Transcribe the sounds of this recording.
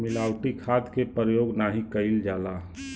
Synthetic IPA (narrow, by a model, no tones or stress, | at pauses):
mɪlaːʊʈikʰaːd̪kepɾəjoːɡnaɦikəɪld͡ʒaːla